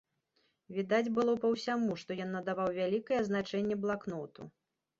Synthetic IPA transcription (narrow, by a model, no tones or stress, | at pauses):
vʲid̪ad͡zʲbɨlˠɔpɐwsʲamuʂt̪ɔjɔnːɐd̪avawvʲalʲikɐjɛznat͡ʂɛnʲːɛblˠaknɔt̪ṵ